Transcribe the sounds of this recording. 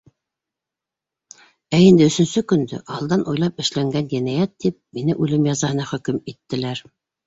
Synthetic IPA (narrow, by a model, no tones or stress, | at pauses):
æind̪ɘɵ̆sɵ̆nsɵkɵ̆nd̪ɘ̰ʔɑlˠd̪ɑnʔujlˠɑpɘ̆ʃlæŋɡænd̪inæjæt̪ːip̚minɘʔʉlɘmjɑzɑhɤ̆nɑχɵ̆kɵmit̪ːɘ̆læɾ